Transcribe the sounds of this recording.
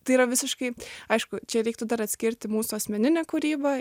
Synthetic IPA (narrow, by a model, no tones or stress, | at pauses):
t̪ɐɪiːɾɐʋʲɪsʲɪʃkɐɪɐɪʃkʊt͡ʃʲɛɾʲɛɪkt̪ʊd̪ɐɾɐt̪ʲsʲkʲɪɾʲt̪ʲɪmuːsʊɐsʲmʲɛnʲɪnʲɛːkʊɾʲiːbɐ